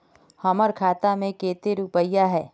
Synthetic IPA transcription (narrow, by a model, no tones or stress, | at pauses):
hɐməɾkʰaːt̪amẽkeːt̪eɾupəijaɦɛː